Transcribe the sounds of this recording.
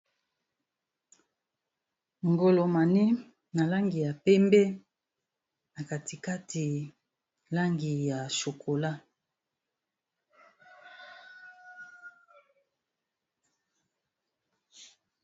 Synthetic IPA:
ŋɡo˨lo˨ma˨ni˦ | na˨la˦ŋɡi˨ja˨pɛ˦mbɛ˦ | na˨ka˨ti˨ka˦tʰi˨ | la˦ŋɡi˨ja˨ʃo˨kʰo˨la˦

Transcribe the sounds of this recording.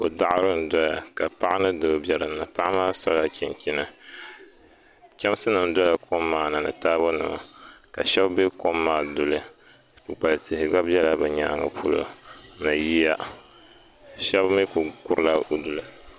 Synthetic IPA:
ko˨da˦ʔa˦ɾɨ˦n̩˨dɔ˦ja˨ka˨pa˦ʔa˦nɨ˦dɨ˨bjɛ˨ɾɨ˨nːɨ˨pa˦ʔa˦maː˦sɔ˦la˦kʲi˨nkʲi˦nɨ˨ | kʲɛ˦m˦sɨ˦nɨ˨n˦dɔ˦ja˨ko˦mːaː˨na˨nɨ̰˨taː˦bo˦nɨ̰˨ma̰˨ka˨ʃɛ˦bbe˦ko˦mːaː˦˨dʊ˨lɨ˨ | pu˨k͡pa˨lɨ˨tɪ˨hɪ˨ɡ͡ba˦bbɛ˦la˦bɨ˨ɲa̰ː˦ŋɨ̰˨pʰu˦lo̰˨˦nɨ˨ji˦ja˦ | ʃɛ˦bmi˦ku˨kʊ˦ɾɨ˦la˦u˦du˨lɨ˨

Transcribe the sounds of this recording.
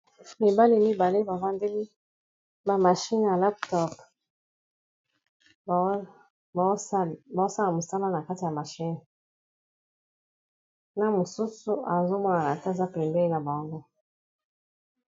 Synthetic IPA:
mi˨ba˦li˦mi˦ba˨le˦ba˨va˦nde˦li˦ | ba˨ma˨ʃi˦n˨ja˨la˦p̚tɔ˦p | ba˨o˦sa˦la˨mo˨sa˦la˦na˨ka˦ti˨ja˨ma˨ʃi˦n˨ | na˨mo˨su˦su˨a˨zo˦mwa˦na˨na˨ta˦˨za˦pɛ˨mbɛ˦i˦na˨ba˨ŋɡo˦

